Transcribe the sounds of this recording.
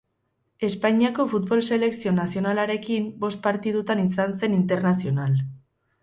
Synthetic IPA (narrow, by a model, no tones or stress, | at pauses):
e̞spaɲiako̞fut̪̚bo̞lse̞le̞ksio̞nasio̞nalaɾe̞kimbo̞st̪̚paɾt̪ið̞ut̪anisanse̞nint̪eɾnasio̞nal